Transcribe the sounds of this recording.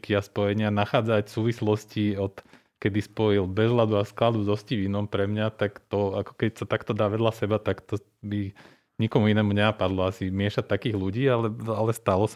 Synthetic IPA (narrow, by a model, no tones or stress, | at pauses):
kiaspɔjɛɲɪanaxaːd͡zacfsuːʋislɔsciɔt̪ | kɛd̪ispɔilbɛzɦlad̪uasklad̪ud̪ɔscivinɔmpɾɛmɲat̪akt̪ɔakɔ̥kɛcsat̪akt̪ɔd̪aːʋɛd̪lasɛbat̪akt̪ɔ | bi | ɲikɔmuinɛːmuɲɛnapad̪lɔasimɪɛʃat̪ːakiːɣluɟiːalɛalɛst̪alɔs